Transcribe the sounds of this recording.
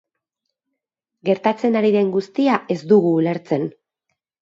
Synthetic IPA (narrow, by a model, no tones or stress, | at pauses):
ɡe̞ɾt̪at͡se̞naɾiðe̞ŋɡust̪iae̞zd̪uɣuːle̞ɾt͡se̞n